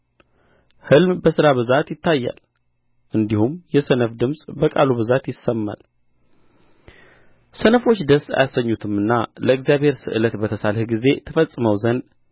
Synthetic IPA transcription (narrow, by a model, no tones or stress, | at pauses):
hɨlmbəsɨɾaβɨzat̪jɪt̪ʰːajːa̰l | ʔɨnd̪ihumjɛsənəfd̪ɨmsʼbəkʼa̰luβɨzat̪jɪsːəmːa̰l | sənəfo̞t͡ʃːd̪əsːa̰jasːəɲːut̪ʰɨmɨnːaləɨɡzijaβhe̞ɾsɨ̰ʔɨlət̪bət̪ʰəsalhɡize̞t̪ʰəfəsʼɨməwzən